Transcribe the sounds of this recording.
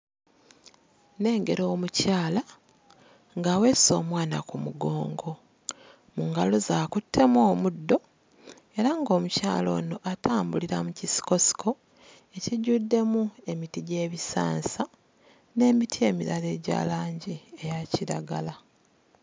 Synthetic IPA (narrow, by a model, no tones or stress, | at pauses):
ne̞ːŋɡe̞ɾo̞ːmucaːla | ŋɡaːwe̞ːsoːmwaːna̰kumuɡo̞̰ːŋɡo̞ | muŋɡalozaːkutʰːe̞mwoːmudːo̞ | e̞ɾaŋɡo̞ːmuca̰ːlo̞̰ːno̞ʔatʰaːmbuliɾamucisi̥ko̞si̥kʰo̞ | e̞ciɟudːe̞mue̞mitiɟe̞ːβisa̰ːnsa | ne̞ːmitʰie̞ːmiɾale̞ːɟa̰ːlaːɲɟie̞jaciɾa̰ɡala